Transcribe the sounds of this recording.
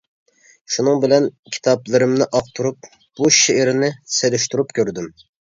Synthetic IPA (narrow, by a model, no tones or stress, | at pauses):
ʃunɨŋbɪlɛnkʲʰi̥t̪ʰɑplˠɨɾɨmnɪʔɑq̚t̪ʰuɾup̚ | b̥uʃeʔɪɾɪnɪselyʃt̪uɾupkʲʰøɾd̪ym